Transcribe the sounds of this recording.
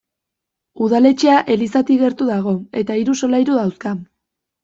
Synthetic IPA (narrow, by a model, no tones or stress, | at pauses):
uðale̞t͡ʃe̞aʔe̞lisat̪iɣe̞ɾt̪uðaɣ̞o̞e̞t̪aiɾuso̞lajɾuðawska